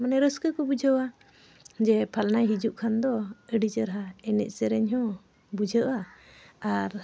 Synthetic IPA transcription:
manɛɾəskəkɔbud͡ʒʱəwa | d͡ʒɛpʰalnajɦid͡ʒuʔkʰand̪ɔəɖit͡ʃəɾɦaɛnɛ̰ʔsɛɾɛɲɦɔ̃ | bud͡ʒʱəʔwaaɾ

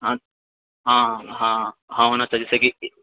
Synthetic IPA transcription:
ɦã | ɦãːɦãːɦãːɦoːnat͡ʃaɦed͡ʒɛseki

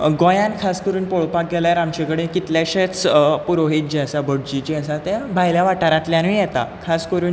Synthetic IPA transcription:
ɡɔ̃jãnkʰaskəɾuːnpoɭpak̚ɡɛljaɾamt͡ɕekəɽekit̪ljaɕat͡spuɾoɦit̪̚d͡ʑiəsabəɽd͡ʑid͡ʑiasat̪ebʱajljaʋaʈaɾãt̪ljãnijɛt̪a̰kʰaskəɾuːn

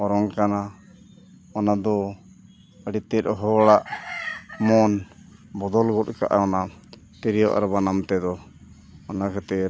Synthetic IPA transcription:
ɔɾɔŋkana | ɔnad̪ɔ | əɽit̪ɛt̪̚ɦɔɽaʔ | mɔnbɔd̪ɔlɡɔt̚kaʔaɔna | t̪ɛɾijɔ̰ʔa̰ɾɔbanamt̪ɛd̪ɔ | ɔnakat̪ɛ

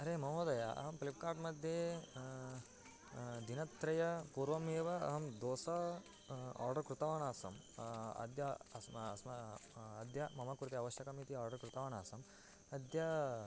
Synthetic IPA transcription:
ɐɾeːmɐmoːd̪ɐjaʔɐ̰ɦɐmklip̚kaːɾʈmɐd̪ʱje | d̪inɐt̪ːɾɐjɐpuːɾʋɐmeːʋɐɐ̰ɦɐmd̪oːsɐ | a̰ːɾɖɐɾkɾut̪ɐʋaːɳaːsɐ̰m | ɐ̰d̪jɐɐssmɐɐd̪ʱjɐmɐmɐkuɾut̪iɐʋɐʃjɐkɐmit̪iaːɾɖɐɾkɾut̪ɐʋaːɳaːsɐm | ɐd̪ʱjɐ

